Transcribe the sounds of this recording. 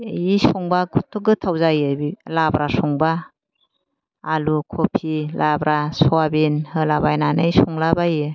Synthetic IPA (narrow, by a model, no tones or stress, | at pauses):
isɔŋbaɡutʰːɔɡɯtʰawzajɯbilabɾasɔŋba | lukʰopʰilabɾasɔabinhɯlabajnanajsɔŋlabajɯ